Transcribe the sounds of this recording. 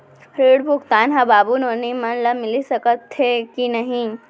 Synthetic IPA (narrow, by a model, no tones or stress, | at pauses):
ɾiːɽbʱʊɡt̪aːnɦɐbaːbunoːnimɐnlɐmɪlisɐkət̪ːekinɐɦĩ